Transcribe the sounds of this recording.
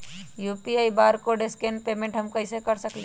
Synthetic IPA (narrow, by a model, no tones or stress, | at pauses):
jupiajbaɾkoɖeskenpemẽɳʈɦəmkəɪsekəɾsəkl